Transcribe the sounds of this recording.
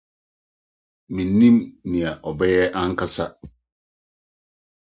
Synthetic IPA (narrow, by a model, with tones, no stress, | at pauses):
mĩ˨nːĩ˦mnĩ˨a˨ʔɔ˨bɛ˦jɛ˦ʔã˦ŋ̩˦kʰa˦sa˦